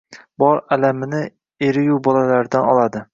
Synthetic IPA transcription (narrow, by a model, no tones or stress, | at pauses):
bɒɾalamɪnɪ | eɾɪjʊbɒlalaɾd̪anɒlˠad̪ɪ